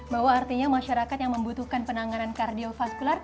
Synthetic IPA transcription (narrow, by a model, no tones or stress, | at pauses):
baɦwaːrt̪iɲamaʃaɾakat̪jaŋməmbut̪uhkanpənaŋanankardiofaskular